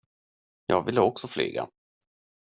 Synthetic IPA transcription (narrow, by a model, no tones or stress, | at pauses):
jɑːɡvɪlːəɔksɔfly̰ːɡa̰